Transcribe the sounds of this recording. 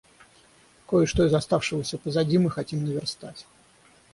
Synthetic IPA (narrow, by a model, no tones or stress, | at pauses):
kojəʂt̪oɪzɐst̪afʂɨvəsʲəpəzɐdʲimɨxɐtʲimnəvʲɪrst̪atʲ